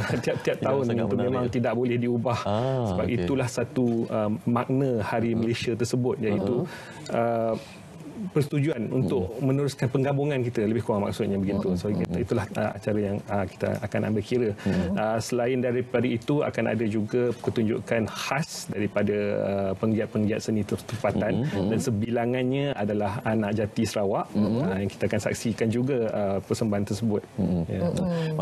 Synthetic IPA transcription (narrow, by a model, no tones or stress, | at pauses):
t̪iap̚t̪iap̚t̪aʊnant̪umẽmãŋt̪idaʔbolɛhdiubahsəbapit̪ulahsat̪uəmaʔnə̃haɾiməlesiat̪ərsəbʊt̪̚d͡ʒadit̪u | ə | pərst̪ud͡ʒuanṵnt̪ʊʔ̚mə̃nəɾʊskanpəŋɡabuŋankit̪ələbɪhkuɾaŋma̰ksʊt̪̚ɲabəɡint̪usit̪ulahəa̰t͡ʃaɾajaŋəki̥t̪a̰a̰kana̰mbɪlkiɾəəsəlaɪndaɾipadait̪ua̰kana̰dad͡ʒuɡapət̪uɲd͡ʒṵʔkanhasdaɾipadaə̰pəŋɡiat̪̚pəŋɡiat̪̚sənĩt̪ət̪əmpat̪andansəbilaŋanɲãadalahanãʔd͡ʒat̪isəɾawaʔəjaŋkit̪aakansa̰k̚sikand͡ʒuɡaəpərsəmbaɦant̪ərsəbʊt̪̚ja